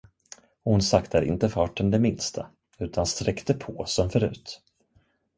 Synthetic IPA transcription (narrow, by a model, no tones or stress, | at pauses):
ɔhʊnsakt̪æɾɪ̰nt̪əfɑːʈənd̪ɛmɪnst̪ʰa | ʉ̟ːt̪ʰanst̪ɾɛkt̪əpʰoːsɔmfœɾʉ̟ːt̪